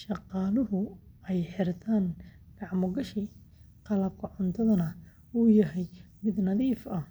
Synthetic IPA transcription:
ʃɑqɑːlʊɦʊɛjħɪrt̪ʰaːnɡɑʕmʊɡɐʃi | qɑlɐb̚kʰɐʕʊnt̪ʰɐðɐnɐ | uːjɐɦɛj | mɪd̪nɐðiːfɐ

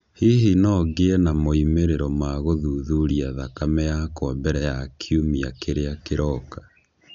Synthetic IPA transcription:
hiɦinɔɡeɛnamoimeɾeɾɔmaɣoðuːðuɾiaðakamɛjakɔmbɛɾɛjakʰiumiakeɾeakeɾɔka

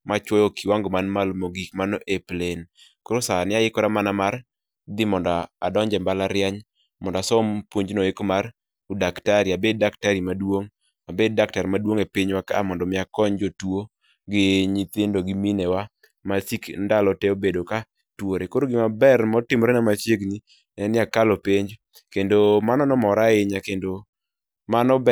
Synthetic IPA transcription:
mat͡ʃwɔjokiwaŋɡɔmanmalmoɡikmanɔʔeplen | koɾosanɪajɪkɔɾamanamaɾ | d̪ɪmɔndɔa̰dɔɲd͡ʒɛmbalaɾjɛɲ | mɔndɔasɔmpwoɲd͡ʒnoekmar | udaktaɾiabed̚daktaɾimadwoŋ | abed̚dak̚taɾmadwoŋepiɲwakaːmɔndɔmɪakɔɲd͡ʒotwo | ɡɪɲit̪ɪndoɡiminɛwa | masikndalɔteobedoka | twoɾekoɾoɡɪmabɛrmɔtɪmɾenamat͡ʃjeɡni | ɛnɪakalopeɲd͡ʒ | kendomanɔnɔmɔɾaɪɲakendo | manɔb

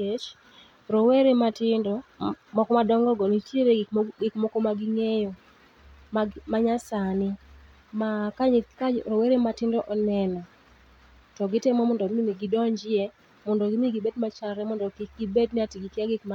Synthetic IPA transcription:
et͡ʃ | ɾɔweɾematɪndɔmɔkɔmadɔŋɡɔɡɔnitjeɾeɡɪkmɔkɔmaɡɪŋejɔ | mamaɲasanɪ | makaɲkaɾɔweɾematɪndɔʔɔnɛnɔ | tɔɡɪtɛmɔmɔndɔimiɡidɔɲd͡ʒɪe | mɔndɔɡimiɡibedmat͡ʃalɾɛmɔndɔkik̚ɡibedniatiɡikjaɡɪkma

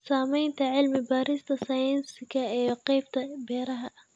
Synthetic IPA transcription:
saːmɛjnt̪ʰɐʕɪlmɪbaːɾɪst̪ʰɐsaːjɪnsɪɡɐijqɑjb̚t̪ʰɐbɛːɾɐɦɐʔ

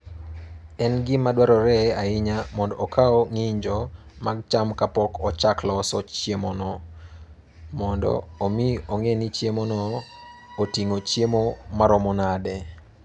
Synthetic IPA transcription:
ɛnɡɪmadwaɾɔɾɛaɪɲamɔndɔʔːkʰaɔŋɪɲd͡ʒɔmaɡ̚t͡ʃamkapɔkɔt͡ʃaklɔsɔt͡ʃjemɔnɔ | mɔndɔ̰omioŋenit͡ʃjemonɔ | otiŋot͡ʃjemomaɾɔmɔnadɛ

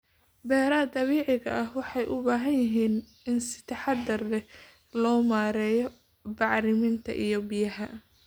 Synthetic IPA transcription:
bɛːɾaːd̪ɐβiːʕɪɣɐʔɐhwɑħɑjʔʊbaːɦɐnjɪɦiːn | ɪnsɪ̥t̪ʰɑħɑd̪d̪ɐrd̪ɛ | lɔːmaːɾɛːjɔ | bɑʕɾɪmɪnt̪ʰɐ̰ʔijɔbɪjɐɦɐ

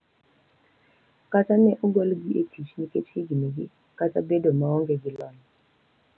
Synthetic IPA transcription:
kʼat͡sʰʼamɛʔuɡolɡietʰiʃinikʼet͡ʃʰeɡinɛk̬ḭ | kat͡sa̰bɛdɔmaɔŋɡɛɡilɔːna

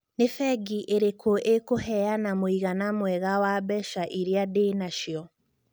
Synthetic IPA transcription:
nefɛɡiʔeɾekʰoʔekoɦɛanamoiɣanamwɛɣawabɛʃaʔiɾiadenaʃiɔ

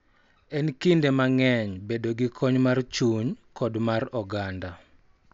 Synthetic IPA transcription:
ɛnkindemaŋɛɲbedoɡɪkʰɔɲmart͡ʃuɲkɔdmarɔɡanda

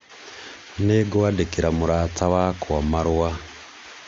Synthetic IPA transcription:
neːɡowadekiɾamuɾaːtawaːkowamaɾwa

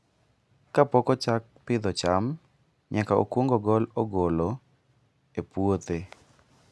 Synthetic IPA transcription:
kapɔkɔt͡ʃak̚pɪd̪ɔt͡ʃam | ɲakao̰kwoŋɡoɡɔlɔɡolo | epwot̪e

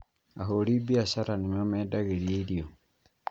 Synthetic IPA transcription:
aɦolibiasaɾanimomeːdaɣeɾjilijo

